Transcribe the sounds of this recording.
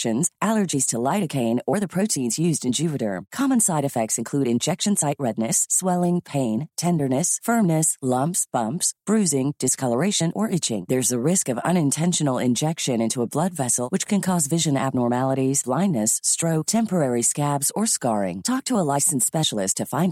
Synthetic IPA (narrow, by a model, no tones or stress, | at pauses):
ʃɨ̃nz̥ʔælˠə˞d͡ʒiz̥tʰəlaɪɾɨkʰẽɪ̃nə˞ðɨpʰɹ̥oʊtʰĩnzjʉzdɨ̃nd͡ʒʉvɨɾə̰˞kʰɑmə̃nsaɪɾɨfɛk̚tsɨ̃nkʰl̥ʉɾɨ̃nd͡ʒɛkʃɨ̃n̩saɪʔ̚ɹɛdⁿnɨsːwɛlˠɪ̃ŋpʰẽɪ̃ntʰɛ̃ndə˞nɨsfɜ̃˞mnɨslʌ̃mpsb̥ʌ̃mpsb̥ɹʉzɪ̃ŋd̥ɨskʰʌlˠə˞eɪʃɨ̃nə˞ʔɪt͡ʃɪ̰̃ŋðə˞zɨɹɪskʌvʌ̰̃ñɨ̃ntʰɛ̃nʃɨn̩l̩ˠɪ̰̃nd͡ʒɛkʃɨ̃nɪ̃ntuəblʌdvɛsl̩ˠwɨt͡ʃkʰɨ̃nkʰɔzvɪʒɨ̃næ̰b̚nɔɹmælˠəɾiz̥blãɪ̃nːɨsːtɹ̥oʊk̚tʰɛ̃mpə˞ɛɹiskæbzə˞skɑɹɪ̰̃ŋtʰɔk̚tʰəəlaɪsn̩spɛʃl̩ˠɪstʰɨfãɪ̃n